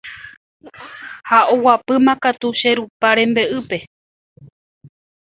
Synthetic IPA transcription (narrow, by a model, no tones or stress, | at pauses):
haowapɨmãkat̪uʃeɾupaɾẽ̞mbe̞ʔɨpe̞